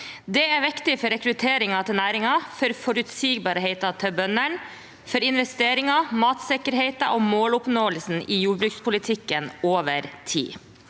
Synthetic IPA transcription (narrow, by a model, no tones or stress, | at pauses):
d̪ɛæɾʋɪkt̪ɪfɔɾɛkɾʉt̪ʰeːɾɪŋɑt̪ʰɪlnæːɾɪŋɑfɔɾfɔɾʉt̪siːɡbɑːɾəɦeɪt̪ɑt̪ʰœbœnəɳ | fɔɾɪnʋɛst̪eːɾɪŋɑmɑːt̪sɛkəɾɦeɪt̪ɑ̰ʔoːmoːlʊpnoːəlsn̩ʔiːjuːbɾʉːkspʰʊlɪt̪ʰɪkːənoːʋəɾt̪ʰḭː